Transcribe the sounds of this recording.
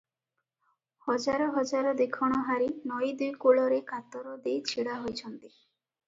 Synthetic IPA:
hɔd͡ʒaɾɔɦɔd͡ʒaɾɔd̪ekʰɔɽ̃ɔɦaɾinɔjd̪ujkuɭɔɾekat̪ɔɾɔd̪ejt͡ʃʰiɽaɦojt͡ʃʰɔnt̪i

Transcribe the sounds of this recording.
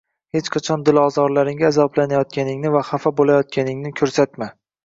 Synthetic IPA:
he̞t͡ʃqʰat͡ʃʰɒnd̪ɪlɒzɒɾlaɾɪŋɡʲaːzɒblanajɒt̪̚kʲanɪŋnɪvaχafabolajɒt̪̚kʲanɪŋnɪkʲʰɵɾsat̪ma

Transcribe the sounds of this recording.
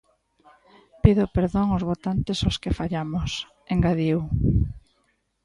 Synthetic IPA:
piðopeɾðoŋozβot̪ant̪ɪsoskefaʎamos | eŋɡaðiw

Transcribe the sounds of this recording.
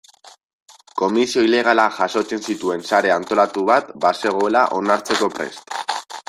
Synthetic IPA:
ko̞misio̞ile̞ɣ̞alaʝaso̞t͡se̞nsit̪ue̞nsaɾe̞ant̪o̞lat̪uβ̞at̪base̞ɣ̞o̞elaʔo̞naɾt͡se̞ko̞pɾe̞̰st̪

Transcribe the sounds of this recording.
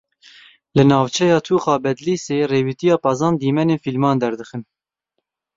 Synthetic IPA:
lɨnɑːvt͡ʃʰɛjɑːt̪ʰuːxɑːbɛd̪liːseːreːwit̪ijɑːpɑzɑːnd̪iːmɛneːnfilmɑːnd̪ɛɾd̪ɨxɨn

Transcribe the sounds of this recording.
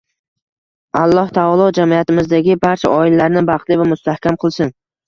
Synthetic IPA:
alˠːɒht̪ʰaɒlˠɒd͡ʒamijat̪ɪmɪzd̪aɡʲɪbaɾt͡ʃʰaʔɒɪlalaɾnɪbɑχt̪lɪvamʊst̪ahkʲamqʰɨlˠsɪn

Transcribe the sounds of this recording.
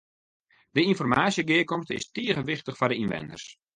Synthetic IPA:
d̥əinfɔrmaːsjəɡɪəkɔmstɪ̰stiəɣəʋɪχtəχfɔdəinʋɛ̰ndə̰rs

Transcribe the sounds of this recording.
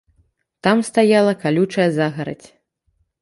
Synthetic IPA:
t̪amst̪ajalˠɐkalʲut͡ʂɐjɛzaɣɐɾɐ̰t͡sʲ

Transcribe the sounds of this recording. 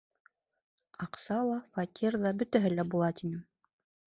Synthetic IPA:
ɑqsɑlˠɑfɑkʲʰirðɑbɵ̆t̪æɦɘlæbulˠɑt̪inɘm

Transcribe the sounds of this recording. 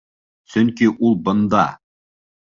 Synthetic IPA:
sɵŋkiʔulˠbɤ̆nd̪ɑ̰

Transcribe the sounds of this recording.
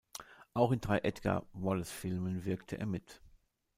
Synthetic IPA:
ʔaʊxɪndʁaɪʔɛtɡ̥a̰vɔlsfɪlmənvɪɐktʰəʔḛːɐmɪt

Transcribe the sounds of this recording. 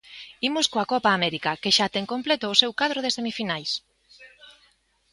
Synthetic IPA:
imʊskoakɔpaːmɛɾikɐkeʃat̪eŋkomplet̪ʊːsewkað̞ɾoð̞esemifinajs

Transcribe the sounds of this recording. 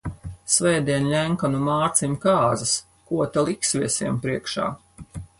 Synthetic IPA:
svɛjd̪iɛnlʲæŋkanumaːɾt̪simkaːzɐs | kuɔt̪alˠiksvʲiɛsʲiɛmpɾiɛkʃa̰ː

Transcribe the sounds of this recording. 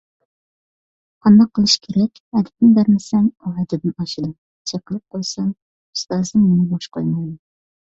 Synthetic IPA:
qʰɑnd̪ɑqʰːəlˠɨʃkʲʰeɾɛkʲɛd̪ɪp̪̚nɪbæɾmɪsɛŋuɦɛd̪ɪbnɑʃɨd̪ɨ | t͡ʃʰɛqəlˠɨp̚qʰojsɑŋ | ust̪ɑːzɨmɪnɪboʃqojmɑjd̪ɨ

